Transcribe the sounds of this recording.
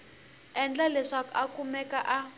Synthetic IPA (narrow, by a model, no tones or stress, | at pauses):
ɛnd͡ɮalɛʂakakumɛkaʔa